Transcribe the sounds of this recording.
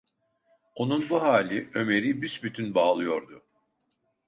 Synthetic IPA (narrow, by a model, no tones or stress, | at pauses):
o̞nunbuɦaːlʲiø̞me̞ɾibyʃbyt̪ʰynbaːlˠɯjo̞ɾd̪ʊ